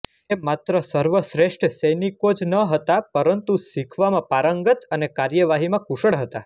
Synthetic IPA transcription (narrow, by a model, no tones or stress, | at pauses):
emat̪ɾəsəɾʋəsɾeʂʈsəjnikod͡ʒnəɦət̪apəɾənt̪usikʰʋamãpaɾəŋɡət̪ənekaɾjəʋaɦimãkuʃəɽɦət̪a